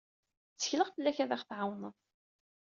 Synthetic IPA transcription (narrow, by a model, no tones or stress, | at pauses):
t͡sːə̥çləʁθəlːæçæðæχθʕawnəðˤ